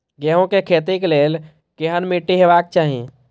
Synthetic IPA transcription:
ɡɛɦõkekʰeːt̪ikleːl | keɦənmiʈːiɦeʋaːk̚t͡ʃaːɦiẽ

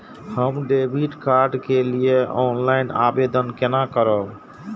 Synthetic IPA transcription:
həmɖebʱiʈkaɾɖkelijeɔnlaɪna̰bed̪ənkenakəɾəb

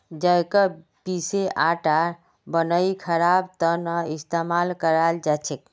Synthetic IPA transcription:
d͡ʒəjkə | piseʔaʈa | bənəikʰəɾabt̪ənəist̪emalkəɾald͡ʒat͡ʃʰek̚

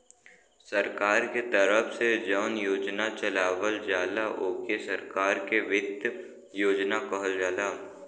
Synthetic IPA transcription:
sɐɾkaːɾket̪əɾəfsed͡ʒaːnjoːd͡ʒnat͡ʃɐlaːʋəld͡ʒaːlaʔoːkesɐɾkaːɾkeʋɪd̪ | joːd͡ʒnakɐɦəld͡ʒaːlaː

